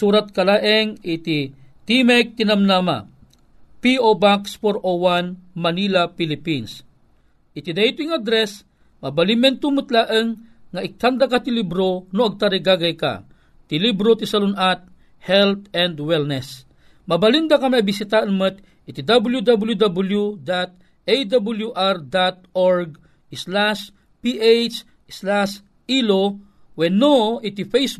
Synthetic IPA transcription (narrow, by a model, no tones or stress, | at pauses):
suɾat̪̚kalaʔɛŋit̪it̪imɛk̚t̪inamnama̰ | piobakspoɾʔowanmanilapilipins | ʔit̪id̪ajt̪ʊiŋad̪ɾɛs | mɐbalimɛnt̪umɨt̪laʔəŋːaʔɪk̚t̪and̪akat̪ilibɾonoɐɡ̚t̪aɾiɡaɡajka̰ | t̪ilibɾot̪isɐlʊnʔat̪̚ | hɛlt̪ɛnd̪wɛlnɛs | mɐbalind̪akamiabisit̪aʔɨnmət̪ | ʔit̪id̪abljud̪abljud̪abuljud̪at̪̚ | ejd̪abuljuʔaɾd̪at̪̚oɹɡ̚ | slas | piʔejt͡ʃ | slas | ilo | wɛnoʔit̪ifejs